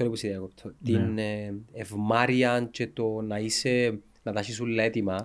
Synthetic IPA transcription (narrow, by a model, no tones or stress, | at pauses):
oɾipusiðiɐkopt̪ʰot̪in | evmɐɾiɐncet̪onɐise | nɐðɐɕis̬ulːɐet̪imɐ